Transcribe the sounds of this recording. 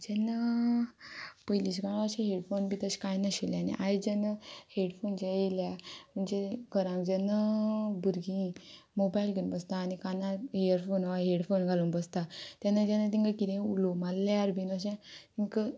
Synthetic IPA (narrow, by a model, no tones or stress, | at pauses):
d͡ʑɛnːə | pəjliɕkaɽaɕẽɦeɽfonbit̪əɕkajnaɕeljanḭʔajd͡ʑɛnːəheɽfond͡ʑeeljamənd͡ʑeɡʱəɾãŋkd͡ʑɛnːəbuɾɡĩ | mobajlɡənbəst̪aːnikanaejəɾfonaʋaɦeɽfonɡʱalunbəst̪at̪janːəd͡ʑanət̪̬ĩŋkakid̪ẽulomalːeaɾbʱinəɕẽt̪iŋkə